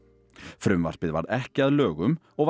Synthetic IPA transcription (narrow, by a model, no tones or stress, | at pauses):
fɾʉmʋɑɾpɪd̪ʋɑ̰d̪ækɑløːɡʉm | oːʋ